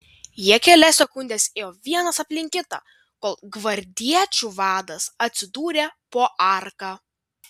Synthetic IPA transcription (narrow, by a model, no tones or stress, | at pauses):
jiɛkʲɛlʲɛsʲɛkʊnʲd̪ʲeːsʲejoːʋʲiɛnɐsɐpʲlʲɪŋʲkʲɪt̪ɑ̰ː | koːlˠɡʋɐɾʲd̪ʲiɛt͡ʃʲuʋɑːd̪ɐsɐt̪ʲsʲɪd̪uːɾʲepoːʔɑˑɾkɑː